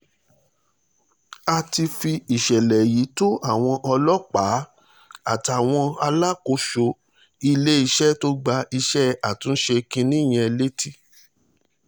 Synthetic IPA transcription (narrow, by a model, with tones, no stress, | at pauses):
a˧ti˧fi˧i˨ʃɛ˨lɛ˨ji˨˦to˦ʔa˦˨w̃ɔ̃˧ʔɔ˧lɔ˦k͡pa˨˦ | a˦˨ta˨w̃ɔ̃˧a˧la˦ko˨˦ʃo˧ | i˧le˦i˧ʃɛ˦to˦ɡ͡ba˧˦i˧ʃɛ˦a˨tũ˨˦n̩˦ʃe˧kĩ˧nĩ˦˨j̃ɛ̃˧le˦ti˦